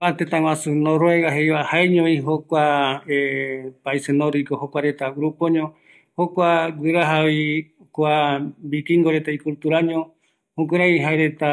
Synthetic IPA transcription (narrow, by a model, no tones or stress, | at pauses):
at̪et̪ãwãsunoɾoeɣaɦejβahaeɲõĩɦokʷaepaisenoɾikohokʷaɾet̪awɾupoɲõ | hokʷaɡɨɾaɦaβi | kʷabikiŋɡoɾet̪aikult̪uɾaɲõ | hũkeɾãj̃ɦaeɾe̞t̪a